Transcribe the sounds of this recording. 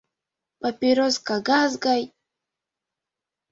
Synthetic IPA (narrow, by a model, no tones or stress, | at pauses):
papʲiɾoskaɡazɡaj